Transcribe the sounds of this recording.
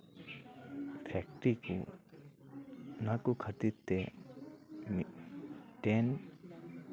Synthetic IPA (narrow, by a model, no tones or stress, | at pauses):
pʰɛk̚ʈiku | nakukʰət̪it̪ːe | m | ʈen